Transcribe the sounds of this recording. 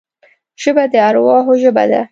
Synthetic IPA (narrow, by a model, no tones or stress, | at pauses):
ʒ̥əbad̪əaɾwɑɦoʒəba̰d̪a̰